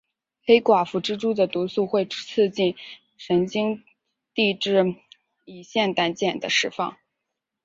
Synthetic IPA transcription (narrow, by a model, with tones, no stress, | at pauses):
xe˥ɪkwa˨˩fu˧˥ʈ͡ʂɻ̩˥ʈ͡ʂu˥d̪ə˨t̪u˧˥su˥˧xwe˥˧ɪʈ͡ʂt͡s̩ʰ˥˧t͡ɕi˥˩n | ʂə˧˥nt͡ɕi˥ŋ | t̪i˥˧ʈ͡ʂɻ̩˥˧ | i˨˩ɕjɛ˥˩nt̪a˧˥nt͡ɕjɛ˨˩nd̪ə˦ʂɻ̩˥˧fɑ̰˥˩ŋ